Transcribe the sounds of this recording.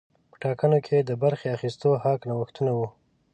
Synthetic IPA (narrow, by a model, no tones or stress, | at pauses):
pə̥ʈɑkənokʰed̪əbaɾxeaxist̪oɦɑknawəxt̪unawu